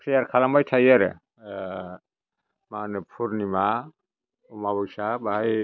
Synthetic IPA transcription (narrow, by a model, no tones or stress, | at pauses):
sijaɾkʰalambajtʰajaɾɛ̰ | manpʰuɾnima | umabɔjsabaj